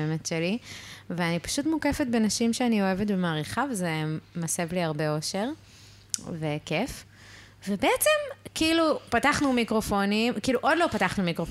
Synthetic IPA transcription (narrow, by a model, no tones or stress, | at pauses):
emetʃeliveanipḁʃutmukefetbe̞naʃimʃeanio̞e̞vetbemaːʁiχavezemasevliaʁbe̞oʃe̞ʁ | ve̞kef | vebeet͡semkiilupataχnumikʁo̞fo̞nimkiiluʔo̞dlo̞pataχnumikʁof